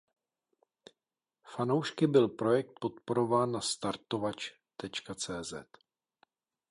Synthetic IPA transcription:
fano̞wʃkɪbɪlpɾo̞jɛk̚t̪̚po̞t̪po̞ɾo̞vaːnːast̪aɾt̪o̞vat͡ʃ | t̪ɛt͡ʃkat͡sɛːzɛ̰t̪

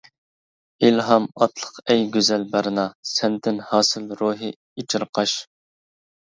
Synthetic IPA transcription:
ilɦɑmɑt̪ʰlˠə̥qɛjɡʲøzɛlbæɾɨnɑsɛnd̪ɪnhɑːsɨlɾoɦɨ | it͡ʃʰɪɾqʰɑʃ

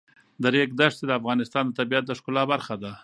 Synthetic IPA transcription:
d̪əɾek̚d̪aʂsed̪əafɣɑnɪst̪ɑnd̪ət̪abijat̪̚d̪əʂkʊlɑbaɾxad̪a

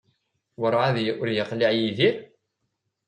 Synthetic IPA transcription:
wəɾˤʕaðjʔʊɾjəqliʕjiðiɾ

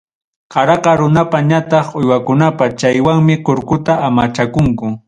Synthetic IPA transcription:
qɑɾɑqɑɾʊnapaɲat̪ɑχojwakʊnapat͡ʃajwaŋmɪqoɾkʊt̪aamat͡ʃakʊŋkʊ

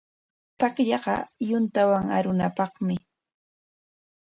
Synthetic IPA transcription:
t̪akʎɑɢɑ̰jʊnt̪awaŋa̰ɾʊnapɑχmɪ

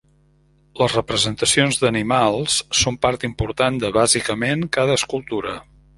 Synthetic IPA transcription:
ləzrəpɾəzənt̪əsionzðənimalˠssompaɾt̪impuɾt̪and̪əβazikəmeŋkað̞əːskulˠt̪uɾə

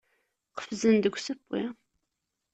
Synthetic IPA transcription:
qə̥fzɨnd̪ɨɡʷsɨpːḭ

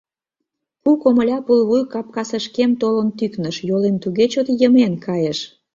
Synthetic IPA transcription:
kukomə̆lʲɑpulβujkɑp̚kɑsəʃkemt̪olənt̪yknəʃjolemt̪uɣet͡ɕot̪jəmenkʰɑjeʃ

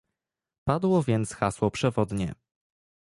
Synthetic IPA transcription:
pad̪wɔvʲjɛnt̪sxaswɔpʂɛvɔd̪ɲɛ̰

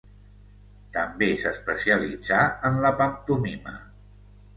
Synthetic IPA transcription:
t̪əmbesəspəsiəlḭd͡zaənləpəmt̪unimə̰

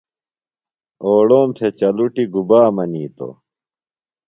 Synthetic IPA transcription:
oːɽoːmt̪ʰet͡ɕɐluʈiɡubaːmɐniːt̪o̰

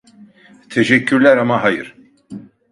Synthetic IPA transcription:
t̪ʰeʃɛcʰːyɾlʲæɾamaɦajɯ̰ɾ̥

